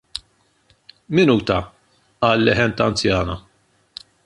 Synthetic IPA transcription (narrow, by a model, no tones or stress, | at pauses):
mɪnuːt̪ɐ | ɐːlːɪħɛnt̪ɐnt͡sjɐːnɐ